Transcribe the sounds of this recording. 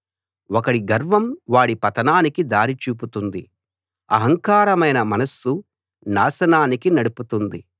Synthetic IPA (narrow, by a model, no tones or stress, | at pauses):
ɔkɐɽiɡɐɾʋɐmʋaːɽipɐt̪ɐnaːnikid̪aːɾit͡ʃuːp̬ut̪und̪i | ɐ̰ɦɐŋkaːɾɐmɐjnɐmɐnɐsːu | naːʃɐnaːnikinɐɽuput̪und̪i